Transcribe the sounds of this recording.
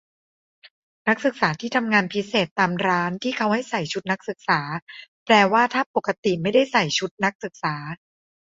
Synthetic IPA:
na˦˥k̚sɯ˨˩k̚saː˩˦t̪ʰiː˥˩t̪ʰa˧mŋaː˧npʰi˦˥seː˨˩t̪ːaː˧mɾaː˦˥nt̪ʰiː˥˩kʰa˦˥wha˥˩jsa˨˩jt͡ɕʰu˦˥t̪̚na˦˥k̚sɯ˨˩k̚saː˩˦plɛː˧waː˥˩t̪ʰaː˥˩po˨˩kːa˧t̪i˨˩ma˥˩jda˥˩jsa˨˩jt͡ɕʰu˦˥t̪̚na˦˥k̚sɯ˨˩k̚saː˩˦

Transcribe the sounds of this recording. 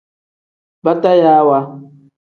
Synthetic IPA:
ba˦ta˦ja˦wa˦

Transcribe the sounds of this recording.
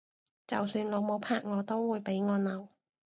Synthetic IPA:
t͡sɐ˨˩wsyː˧nlo˨˧wmo˨˧wpʰaː˨˧k̚ŋɔː˨˧t̪o˥wwuː˨˧jpe˨˥jŋɔː˨˧nɐ˨˧w

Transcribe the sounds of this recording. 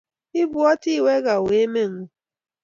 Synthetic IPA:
ɪ˦bu˦ɔ˦ti˦˨we˦ɡa˨we˨˦me˦ŋ̩˦

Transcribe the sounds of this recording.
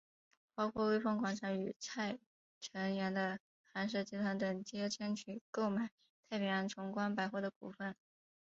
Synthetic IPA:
pɑ˥ʊkʰwɔ˥˧we˥˧ɪfɤ˥˩ŋkwa˨˩nʂʰa˧˥ŋy˨˩t͡sʰa˥˩ɪ | ʈ͡ʂʰə˧˥ŋɥɛ˧˥nd̪ə˧ | xa˧˥nʂ̬ɤ˥˩t͡ɕi˧˥t̪ʰwa˧˥nt̪ɤ˨˩ŋt͡ɕjɛ˥ʈ͡ʂʰə˥nt͡ɕʰy˨˩ko˥˩ʊma˨˩˦ɪ | t̪ʰa˥˩ɪpɛ˨˩a˧˥nʈ͡ʂʰʊ˧˥ŋkwa˥npa˨˩ɪxwɔ˥˩d̪ə˩ku˨˩fə˥˩n

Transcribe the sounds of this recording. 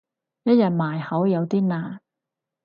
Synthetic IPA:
jɐ˥t̚jɐ˨t̚maː˨˩jhɐ˨˥wjɐ˨˧wt̪iː˥naː˧˩

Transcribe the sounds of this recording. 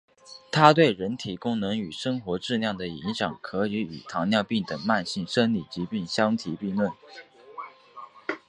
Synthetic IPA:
t̪ʰa˥t̪we˥˩ɪɻə˧˥nt̪ʰi˨˩kʊ˥ŋnɤ˧˥ŋy˨˩ʂɤ˥ŋxwɔ˧˥ʈ͡ʂɻ̩˥˧ljɑ˥˩ŋd̪ə˩i˧˥ŋɕjɑ˨˩˦ŋkʰɤ˧˥i˧˥y˨˩t̪ʰɑ˧˥ŋnjɑ˥˧ʊpi˥˩ŋt̪ɤ˨˩ŋma˥˧nɕi˥˩ŋʂə˥nli˨˩t͡ɕi˧˥pi˥˩ŋɕjɑ˥ŋt̪ʰi˧˥pi˥˧ŋlwə˥˩n

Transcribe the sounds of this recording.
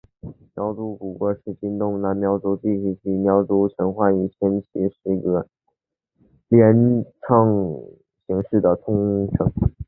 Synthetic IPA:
mjɑ˧˥ʊt͡su˧˥ku˨˩kwɔ˧˥ʂɻ̩˧˥t͡ɕi˥nt̪ʊ˥˧ŋna˥˧˥nmjɑ˧˥ʊt͡su˧˥t̪i˥˧ɕʰi˧˩t͡ɕi˧˥˩mjɑ˧˥ʊt͡su˧˥ʈ͡ʂʰə˧˥nxwa˥˩ni˨˩t͡ɕʰə˥nt͡ɕʰi˧˥ʂɻ̩˧˥ɡə˧˩ | ljɛ˧˥nʈ͡ʂʰɑ˥˩ŋ | ɕi˧˥ŋʂɻ̩˥˩d̪ə˩t̪ʰʊ˥ŋʈ͡ʂʰɤ˧˥ŋ

